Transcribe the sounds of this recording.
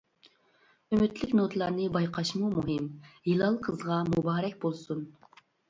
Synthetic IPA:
ymyt̪lɪkʲnot̪ʰlˠɑɾnɨbɑjqʰɑʃmumuɦɨmjilˠɑlˠqʰəzʁɑmubɑːɾɛkʲbolˠsun

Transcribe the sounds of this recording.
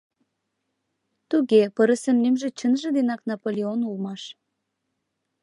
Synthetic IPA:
t̪uɣepəɾəsə̆mnymʒĕt͡ɕənʒĕd̪enɑknɑpolʲeonulmɑʃ

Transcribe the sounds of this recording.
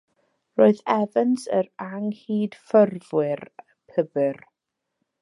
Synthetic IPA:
roɨðɛvənsə̰ɾaŋhiːd̥fərvwɪr | pʰəbɨr

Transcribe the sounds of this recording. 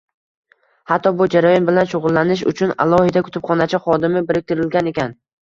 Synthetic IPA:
hat̪ʰːɒbʊd͡ʒaɾajɒnbɪlanʃoʁʊlːanɪʃ̬ʊ̰t͡ʃʰʊna̰lˠɒhɪd̪akʰʊ̥t̪ʰɪpχɒnat͡ʃʰɪχɒd̪ɪmɪbɪɾɪk̚ʲt̪ʰɪɾɪlɡʲane̞kʲan

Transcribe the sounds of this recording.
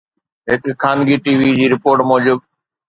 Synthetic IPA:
ɦɪkkʰaːnɡiːʈiːʋid͡ʑiːɾɪpoːɾʈmɔːd͡ʑʊb̪̚

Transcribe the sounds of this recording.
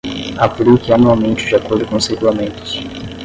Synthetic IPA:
apɾikɪanuawmẽnt͡ʃɪ̥d͡ʒiakoɾd̪ʊkõseɡulamẽnt̪ʊ̥s

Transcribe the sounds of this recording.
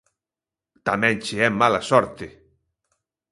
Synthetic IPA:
t̪amɛ̃nt͡ʃiɛmːalasɔɾt̪e

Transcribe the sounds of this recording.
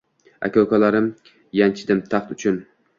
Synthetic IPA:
a̰kʲɒwkalaɾɪm | jant͡ʃʰɪd̪ɪmt̪ʰɑχt̪ʊt͡ʃʰʊn

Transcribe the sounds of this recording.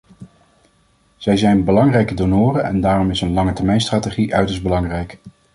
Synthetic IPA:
z̥ɛjzɛjnbəlɑŋrɛjkədonoːrənɛ̰ndaːrɔmɪsənlɑŋətɛɹmɛjnstraːteχiʔœɥtəɹsbəlɑŋrɛjk

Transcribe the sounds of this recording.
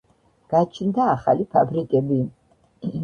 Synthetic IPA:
ɡ̥at͡ʃʰnd̪aːχa̰lipʰabɾikʼɛbi

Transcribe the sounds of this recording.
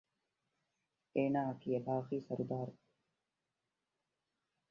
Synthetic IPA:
eːnaːɐkiɐbaːqiːsɐɾud̪aːɾu

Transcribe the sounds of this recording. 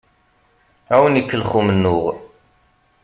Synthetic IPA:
æwənəkːəlχumənːʊʁ

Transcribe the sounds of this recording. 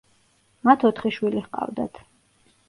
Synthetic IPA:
mat̪ʰɔt̪ʰχiʃwilihqʼa̰vd̪a̰t̪ʰ

